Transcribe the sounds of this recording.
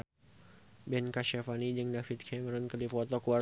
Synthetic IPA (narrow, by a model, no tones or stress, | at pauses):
bɛnkaʃafanid͡ʒɨŋdafit̪̚kʰɛmɾɔnkədipɔt̪ɔkuwa